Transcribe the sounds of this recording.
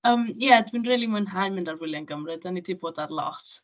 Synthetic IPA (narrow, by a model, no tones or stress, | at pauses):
əːmjɛdwinriːlˠimənɦajmɪndarvɪlˠjanɡəmrɨdənidiboːdarlˠɔ̰t